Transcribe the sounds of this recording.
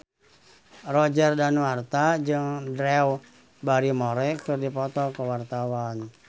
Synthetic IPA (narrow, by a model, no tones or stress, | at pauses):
rɔd͡ʒərdanwart̪ad͡ʒɨŋdɾɛw | baɾimoɾɛkɨrdipɔt̪ɔkəwart̪awan